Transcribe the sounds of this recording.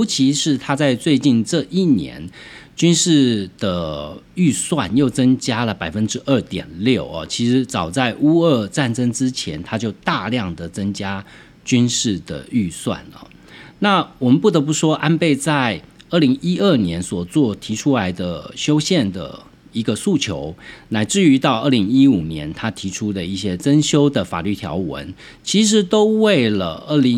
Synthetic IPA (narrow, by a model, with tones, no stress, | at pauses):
jo˧˥ʊt͡ɕʰi˧˥ʂɻ̩˥˩t̪ʰa˥t͡sa˥˧ɪt͡swe˥˧ɪt͡ɕi˥˧nʈ͡ʂɤ˥˧ʔi˥˩njɛ̰˧˦nt͡ɕy˥nʂɻ̩˥˩d̪̥ə˩ | y˥˧swa˥˨njo˥˩ʊt͡sə˥ŋt͡ɕja˥lə˨pa˨˩ɪfə˦nʈ͡ʂɻ̩˥ʔə˥˩t̪jɛ̰˨˩nljo˥˩ʊɐ̰˩t͡ɕʰi˧˥ʂɻ̩˧˥t͡sɑ˨˩ʊt͡sa˥˩ɪʔu˥ə˥˧t͡sa˥˩nʈ͡ʂə˥ŋʈ͡ʂɻ̩˥t͡ɕʰjɛ̰˧˥nt̪ʰa˥t͡ɕjo˥˧ʊt̪a˥˧ljɑ˥˩ŋd̪ə˩t͡sɤ˥ŋt͡ɕja˥ | t͡ɕy˥nʂɻ̩˥˩d̪ə̰˩y˥˧swa̰˥˨˩nə̰˩ | na˥˩wɔ˨˩mə˨˦npu˥˩t̪ə˧˥p̬u˥˩ʂwɔ˥ʔa˥npe˥˧ɪt͡sa˥˧ɪə˥˩li˧˥ŋi˥ə˥˩njɛ˧˥nswɔ˨˩t͡swɔ˥˩t̪ʰi˧˥ʈ͡ʂʰu˥la˧˥ɪd̪ə˨ɕjo˥ʊɕjɛ˥˨˩nd̪ə̰˩ | i˧˥ɡə˧su˥˩t͡ɕʰjo̰˧˥˦ʊna˧˥ɪʈ͡ʂɻ̩˥˩y˧˥t̪ɑ˥˧ʊʔə˥˩li˧˥ŋi˥u˨˩njɛ˧˥nt̪ʰa˥t̪ʰi˧˥ʈ͡ʂʰu˥d̪ə˨i˥˩ɕjɛ˥t͡sə˥nɕjo˥ʊd̪ə˨˩fa̰˨˩ly˥˩t̪ʰjɑ̰˧˥ʊwə̰˧˦n | t͡ɕʰi˧˥ʂ̬ɻ̩˧˥t̪o˥ʊwe˥˩ɪlə˩ə˥˩li˧ŋ